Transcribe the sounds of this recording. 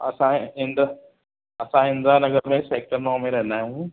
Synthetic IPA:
ɐ̰sãɦɪ̃nd̪ | ɐsãɦɪ̃nd̪ɾanɐɡəɾmẽseːk̚ʈəɾnɔːmẽɾɐɦɪ̃nd̪aːjiũ

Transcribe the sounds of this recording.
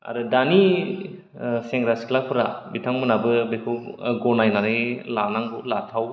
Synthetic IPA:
a̰ɾudani | seŋɡɾasklapʰuɾa̰bitʰaŋmɯnabɯbekʰuɡɔnajnaɾelanaŋbulatʰaw

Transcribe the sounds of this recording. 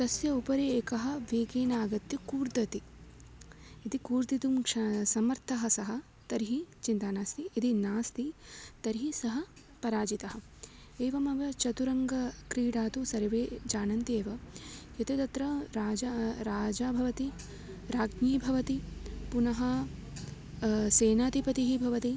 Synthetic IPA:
t̪ɐsjɐupɐɾeeːkɐɦɐ̆ʋeːkeːnaːɡɐt̪jɐkuːɾd̪ɐt̪i | it̪ikuːɾd̪it̪umkʂɐsɐmɐɾt̪ʰɐɦɐ̆sɐɦɐ̆ | t̪ɐɾɦit͡ʃint̪aːnaːst̪iid̪inaːst̪it̪ɐɾiɦisɐɦɐ | pɐɾaːd͡ʒit̪ɐɦɐ̆ | eːʋɐmɐʋɐt͡ʃɐt̪uɾɐŋɡɐkɾiːɽaːt̪usɐɾɐʋeːd͡ʒaːnɐnt̪eːʋɐjɐt̪et̪ɐt̪ɾɐɾaːd͡ʒaɾaːd͡ʒaːbʱɐʋɐt̪i | ɾaːɡniːbʱɐʋɐt̪ipunɐɦɐ | seːnaːt̪ipɐt̪iɦibʱɐʋɐt̪i

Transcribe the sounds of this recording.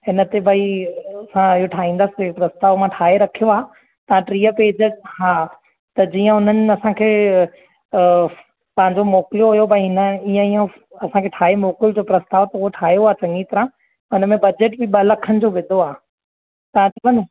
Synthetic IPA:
ɦɪnət̪ebʱɐiɐsãɪɦoʈʰaːɦĩːnd̪əsɪ̥epɾɐst̪aːʋmãʈʰaːɦeɾɐkʰijoaː | t̪ɐãʈɾiːəpeːd͡ʑəhaː | t̪ɐd͡ʑiːə̃ɦʊn̤ənɪ̆ɐsãkʰeː | pɐ̃ɦɪ̃ɲd͡ʑomɔːklijoɦʊjobʱɐĩɪnəiːə̃iːə̃ | ɐsãkʰeːʈʰaːɦemoːkɪld͡ʑoːpɾɐst̪aːʋt̪ɐuoʈʰaːijoaːt͡ɕɐ̃ŋɡit̪ɐɾã | ɦʊnəmẽbɐd͡ʑeːʈbɪɓɐlɐkʰənɪ̆d͡ʑoːʋɪd̪ʱoaː | t̪ɐãt͡ɕɐbɐn

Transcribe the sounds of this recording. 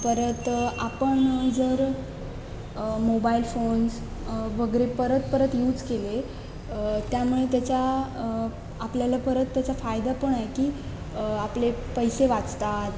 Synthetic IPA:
pəɾət̪apəɳd͡zəɾ | mobailfons | ʋəɡəɾepəɾət̪pəɾət̪juːd͡zkele | t̪jamuɭet̪jat͡ɕja | pljalapəɾət̪ːjat͡ɕafajd̪apəɳaɦekiː | aplepəjseʋat͡st̪at̪

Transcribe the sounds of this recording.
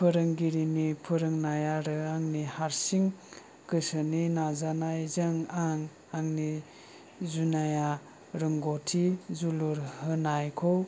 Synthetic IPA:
pʰɯɾɯŋɡiɾinipʰɯɾɯŋnajaɾɯaŋnihaɾsiŋ | kɯsɯninazanajzɯŋaŋ | aŋni | zunaja | ɾɯŋɡotʰizuluɾhɯnajkʰɔ

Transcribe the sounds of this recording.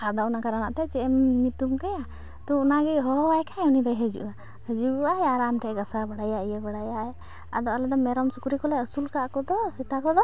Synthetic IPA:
ad̪ɔunakaɾana̰ʔt̪ɛt͡ʃɛɛmɲut̪umkaja | t̪ɔunaɡɛɦɔwajkaunid̪ajɦəd͡ʒṵʔa | həd͡ʒuaɛaɾamʈɛʔɡasabaɽajaijɛbaɽajaɛ | a̰d̪ɔalɛd̪ɔmɛɾɔmsukuɾikɔlɛəsulkakɔd̪ɔsɛt̪akɔd̪ɔ

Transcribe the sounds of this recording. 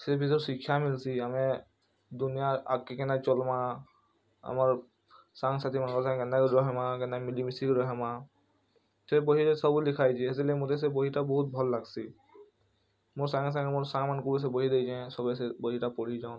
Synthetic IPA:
sɛbʱizɔɹsikʰːjamilsiamɛ | d̪unijaakːɛkɛnat͡ʃɔlma | a̰maɹ | saŋsat̪imankɔsãŋkɛnakdɔɦɛmakɛnamilimisikɾɔɦɛma | sɛboɦiɾesɔbulikʰajd͡ʒiɦezilemot̪es̬ɛboɦitabɔɦut̪̚bʱɔlːaɡsi | moɹsaŋs̬ãŋɛmoɹsãŋmankɔɹis̬ɛboɦidejd͡ʒɛ̃sɔbɛsɛboɦitapoɹid͡ʒaʊ̃

